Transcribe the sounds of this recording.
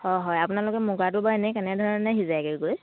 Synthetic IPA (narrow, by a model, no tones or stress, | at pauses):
hɔjɦɔjapʊnalʊkɛmuɡatʊbaɛnɛkɛnɛdʱɔɹɔnnaɦizajɡeɡoj